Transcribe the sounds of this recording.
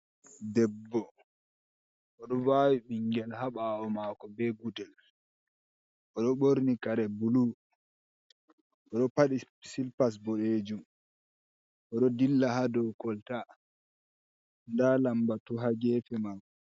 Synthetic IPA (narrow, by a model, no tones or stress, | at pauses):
dɛbːɔ | ʔɔɗɔwawiɓiŋɡɛlhaɓaːwɔmaːkɔbɛɡudɛl | ʔɔɗɔɓoɾnikaɾɛbulu | ʔɔɗɔpaɗi | silpas̬bɔɗed͡ʒum | ʔɔɗɔdilːahadɔwkɔlta | ndalambatuɦaɡɛːfɛmaːkɔ